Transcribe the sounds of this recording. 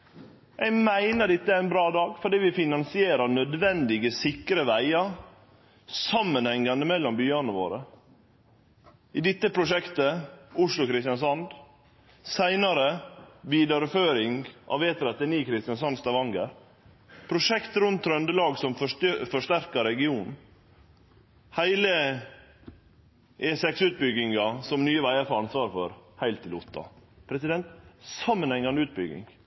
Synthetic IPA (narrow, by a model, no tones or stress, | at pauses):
jæɪmæɪnəɖɪt̪ːəææɪnbɾɑːd̪ɑːɡfɔɖiːʋɪfɪnɑnsɪeːɾɑɳœd̪ʋɛnd̪ɪɡəsɪkɾəʋæɪɑɾ | sɑmːənhɛŋːɑnd̪əmɛlːɔmbyːɑnəʋo̰ːɾə | ɪd̪ɪt̪ːəpʰɾʊʂɛkt̪əʊʂlʊkɾɪst̪ɪjɑnsɔnd̪ | sæɪnɑɾəʋiːd̪ɑɾəføːɾɪŋʔɑ̰ʋeːt̪əɾɛt̪ːəniːkʰɾɪst̪ɪjɑns̬ɑnst̪ɑʋɑŋɡəɾ | pʰɾʊʂɛkt̪ɾʉnt̪ʰːɾœnd̪əlɑːɡsɔmffɔʂt̪æɾkɑɾɛɡɪuːnn̩ | hæɪlə | ʔeːsɛksʉːt̪̚bʏɡɪŋɑsɔmnyːəʋæɪəfɔɾɑnsʋɑːɾfɔɾhæɪlt̪ʰːɪlʊt̪ʰːɑ̰pʰɾɛsɪd̪ɛnt̪sɑmːənhɛŋːɑnəʉːt̪̚bʏɡɪ̰ŋ